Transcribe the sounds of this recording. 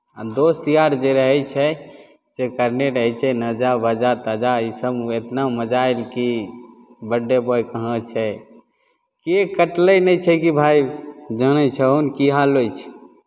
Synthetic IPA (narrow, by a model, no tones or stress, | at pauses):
a̰d̪ost̪ijaɾd͡ʒeɾəɦɛt͡ʃʰɛ | d͡ʒekəɾneɾəɦɛt͡ʃʰɛnəd͡ʒabəd͡ʒat̪əd͡ʒaisəbet̪naməd͡ʒaelki | bəɖːebɔjkəɦə̃t͡ʃʰɛ | kekəʈləjnɛjt͡ʃʰɛkibʱajd͡ʒəñɛt͡ʃʰɛonkiɦalojt͡ʃʰɛ̥